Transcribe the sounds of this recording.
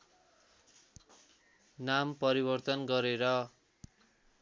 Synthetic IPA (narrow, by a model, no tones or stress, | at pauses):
nampʌɾibʌrt̪ʌnɡʌɾeɾʌ